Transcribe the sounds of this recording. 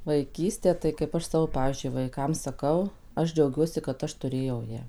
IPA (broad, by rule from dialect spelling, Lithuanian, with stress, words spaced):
ʋɐɪˈkʲiːsʲtʲeː tɐɪ kɐɪp ˈɐʃ ˈsɑːʋoː ˈpɑːʋʲiːzʲd͡ʒʲʊɪ ʋɐɪˈkɐm sɐˈkɐʊ ˈɐʃ d͡ʒʲɛʊˈɡʲuɔsʲɪ kɐt ˈɐʃ tʊˈrʲeːjɛʊ ˈjæː